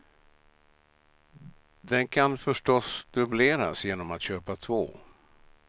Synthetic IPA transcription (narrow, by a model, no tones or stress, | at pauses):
d̪ɛnkʰanfœʂʈɔsd̪̥ɵbleːɾa̰sjeːnɔmat̪ɕøːpat̪ʰvo̰ː